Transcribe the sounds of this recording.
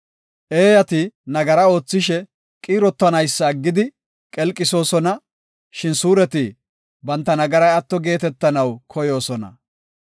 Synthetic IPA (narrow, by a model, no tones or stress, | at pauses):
ʔeːjɐt̪ɪnɐɡɐɾɐo̞ːt͡sːɪʃɛ | kʼiːɾɔt̪ːɐnɐjsːɐːɡːɪd̪ɪ | kʼɛlkʼɪso̞ːsɔnɐ | ʃɪnsuːɾɛt̪ɪ | bɐnt̪ːɐnɐɡɐɾɐjɐt̪ːɔɡe̞ːt̪ɛt̪ːɐnɐwkʰɔjo̞ːsɔnɐ̰